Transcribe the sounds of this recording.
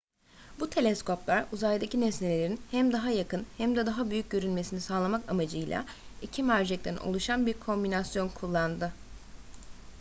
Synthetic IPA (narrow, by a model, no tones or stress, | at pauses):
but̪ʰe̞lʲɛskʰo̞plˠaɾuzajd̪acinɛslʲelʲelʲeɾinhæmd̪aɦajakɯnhæmd̪ɛd̪aɦabyjyc̚ɟø̞ɾynme̞sinisaːlˠamakamad͡ʒɯjlʲˠa̰ | icʰimæɾd͡ʒɛc̚t̪ʰæno̞̰lˠuʃanbiɾkʰo̞mbinasjo̞nkʰulˠːand̪ɯ